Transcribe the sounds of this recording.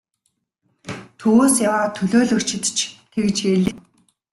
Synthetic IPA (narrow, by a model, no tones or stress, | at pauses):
t̪ʰuwːsjawaːt̪ʰɵɮoːɮɵkt͡ɕʰɪ̆t̪t͡ɕʰt̪ʰekt͡ɕeɮɘ̆